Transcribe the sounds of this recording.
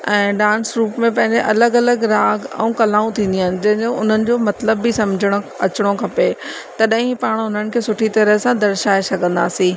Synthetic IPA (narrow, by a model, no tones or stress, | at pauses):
ɛ̃ːɖãːnsɾuːpmẽpɐ̃ɦɪ̃ɲd͡ʑeʔɐləɡɐləɡɾaːɡɛ̰ũkɐlaːũt̪ʰĩːnd̪iaːɪnɪ̆d͡ʑɐ̃ɦɪ̃d͡ʑoʊn̤ənɪ̆d͡ʑoːmɐt̪ləbːisɐ̃md͡ʑʱəɽ̃oɐt͡ɕɽ̃okʰɐpet̪ɐɗɦĩpaːɽ̃ʊn̤ənɪ̆kʰeːsʊʈʰit̪ɐɾəɦsãd̪ɐɾʃaːesɐɡə̃nd̪a̰ːsĩː